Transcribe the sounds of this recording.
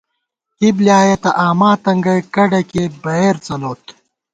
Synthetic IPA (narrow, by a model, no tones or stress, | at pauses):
hibljaːjɐt̪ɐʔaːmaːt̪ɐŋɡɐjkɐɖɐkebɐɦeːɾt͡sɐloːt̪